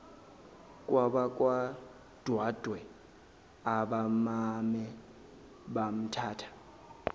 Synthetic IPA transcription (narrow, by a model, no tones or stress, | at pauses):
kʼwaɓakʼwa | d̥ʱwad̥ʱwɛ | aɓamamɛ | ɓam̩tʰaːtʰḁ